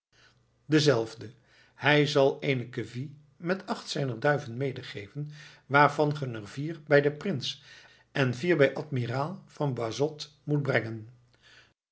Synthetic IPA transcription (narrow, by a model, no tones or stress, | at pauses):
dəzɛlˠvdə | hɛjzɑlˠejnəkəvi | mɛtɑχtsɛjnəɹdœɥvənmejdəχejvən | ʋaːɹvɑnχənərviːrbɛjdəprɪns | ɛnviːɹbɛjʔɑtmiraːlˠvɑnbazɔt | mut̚brɛŋən